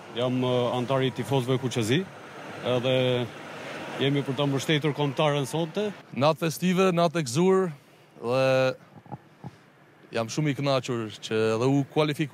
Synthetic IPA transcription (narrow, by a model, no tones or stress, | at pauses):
jamant̪aɾit̪ifɔzvɛkut͡ʃɛzi | ɛðɛ | jɛmipəɾt̪aməʃt̪ɛt̪uɾkɔmt̪aɾɛnsɔnt̪ɛnat̪fɛst̪ivɛnat̪̬ɛkzuɾ | ðɛ | jamʃumiknat͡ʃuɾt͡ʃəɛðɛukwalifik